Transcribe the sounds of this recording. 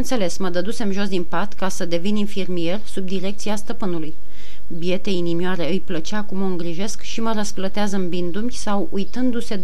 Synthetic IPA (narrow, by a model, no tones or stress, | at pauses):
ənt̪sele̞sməd̪əd̪use̞mʒo̞s̬d̪inpat̪kasəd̪e̞vininfirmije̞rsub̚d̪iɾe̞k̚t̪siast̪əpɨnuluj | bie̞t̪e̞inimiaɾe̞ɨjplət͡ʃakumoɨŋɡɾiʒe̞skʃiməɾəsplət̪eazəɨmbind̪umʲsawujt̪ɨnd̪use̞d̪